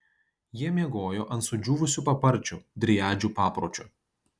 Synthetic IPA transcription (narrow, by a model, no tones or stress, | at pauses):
jiɛmʲiɛɡoːjoːʔɐnt̪sʊd͡ʒʲuːʋʊsʲuːˑpɐpɐɾʲˑt͡ʃʲud̪ʲɾʲɪjæːd͡ʒʲupɑːpɾoːt͡ʃʲʊ